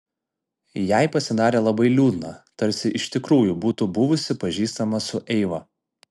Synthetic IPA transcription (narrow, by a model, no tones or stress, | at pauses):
jæˑɪpɐsʲɪd̪ɑːɾʲeːlˠɐbɐɪlʲuːd̪nɑt̪ɐɾʲsʲɪʔɪʃt̪ʲɪkɾuːjuːbuːt̪ʊbʊʋʊsʲɪpɐʒʲiːst̪ɐmɐsʊʔɛɪʋɐ